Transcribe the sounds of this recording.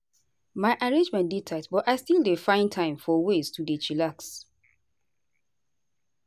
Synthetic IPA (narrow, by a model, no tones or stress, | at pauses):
maɪʔaɹẽnd͡ʒmɛ̃nditʰatbɔtaɪstildefãɪ̃ntʰãɪ̃mfɔweztʰudet͡ʃilaks